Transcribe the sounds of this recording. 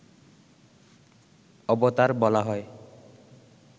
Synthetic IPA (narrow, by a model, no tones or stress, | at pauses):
ɔbɔt̪aɾbɔlaɦɔe